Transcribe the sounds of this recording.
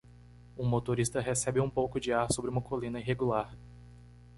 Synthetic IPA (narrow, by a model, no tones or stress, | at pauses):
ũmot̪oɾist̪ɐɦesɛbɪũpowkʊd͡ʒɪaɾsobɾɪũmɐkolĩnɐiɦeɡulaɾ